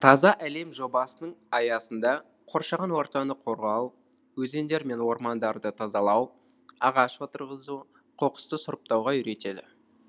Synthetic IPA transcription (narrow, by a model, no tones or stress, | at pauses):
t̪ʰɑzɑʔæle̞mʒo̞bɑsənəɴɑjɑsənd̪ɑ | qʰo̞ɾʃɑʁɑnwo̞ɾt̪ɑnəqʰo̞ɾʁɑw | wɵze̞nd̪e̞ɾme̞nwo̞ɾmɑnd̪ɑɾd̪ət̪ʰɑzɑlˠɑw | ɑʁɑʃwot̪əɾʁəzu | qʰo̞qə̥st̪əsʊɾəp̚t̪ɑwʁɑʏɾe̞t̪e̞d̪ɪ̰